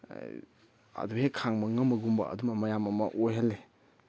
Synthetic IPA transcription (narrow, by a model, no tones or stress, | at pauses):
a̰duhekʰaŋmɐŋɐmɐɡumbɐ̰ɐ̰dumɐmɐjamɐmɐ̰ʔojɦalːe